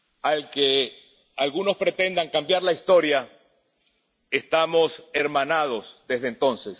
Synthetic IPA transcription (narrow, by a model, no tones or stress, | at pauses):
alke | alɣuno̞spɾe̞t̪e̞nd̪aŋkambjaɾlaist̪o̞ɾja | est̪amo̞seɾmanað̞o̞sd̪e̞zðent̪o̞nses